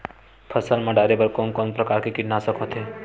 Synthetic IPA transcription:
pʰəsəlmãɖaːɾebəɾkoːnkɔːnpɾɐkaːɾkikɪʈnasəkɦot̪ʰe

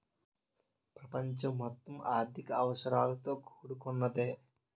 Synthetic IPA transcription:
pɾɐpɐɲt͡ʃɐmɦɔt̪ːɐmʔaːɾt̪ʰikɐɐʋɐʃɐɾaːlɐt̪o̞ːkʰo̥ːɽukunːɐd̪eː

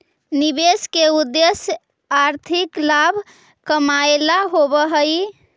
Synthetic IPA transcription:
nibeskeud̪ːesj | aɾt̪ʰiklabʱ | kəmaelaɦobəɦəj

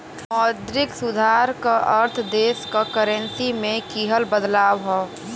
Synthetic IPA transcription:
mɔd̪ɾɪksʊd̪ʱaɾkaʔəɾt̪ʰd̪eːskakəɾə̃nsimẽkiɦəlbəd̪laːwɦoː

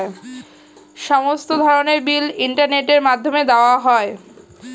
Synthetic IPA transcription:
e | ʃɔmost̪od̪ʱɔɾoneɾbiliɳʈaɾneʈeɾmad̪ʱːomed̪aoaɦɔe

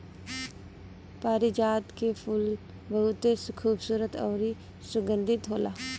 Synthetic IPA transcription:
paːɾid͡ʒaːd̪kepʰʊl | bəɦut̪eskʰuːbsuːɾət̪ɔːɾi | sʊɡə̃nd̪ʱɪt̪ɦoːlaː

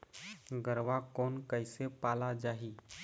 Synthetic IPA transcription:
ɡəɾʋakonkəjsepalad͡ʒaɦiː

